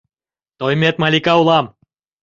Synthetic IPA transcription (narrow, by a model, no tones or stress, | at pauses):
t̪ojmʲet̪̚mɑlʲikɑulˠɑm